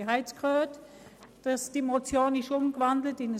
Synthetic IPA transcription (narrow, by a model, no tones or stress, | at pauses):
ɦaɪt͡skʁøːt | d̥ɑsd̥imot͡sjoːnɪʃʊmɡvɑndlətɪnə